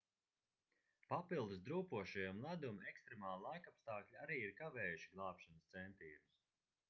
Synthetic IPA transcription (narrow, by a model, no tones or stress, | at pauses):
papilˠd̪usd̪ɾuːpuɔʃujamlˠad̪umɛkst̪ɾɛmaːlˠlˠajkapst̪aːklʲiaɾiːiɾkavɛːjuʃiɡlˠɑːpʃanɐst̪sɛnt̪iːɾus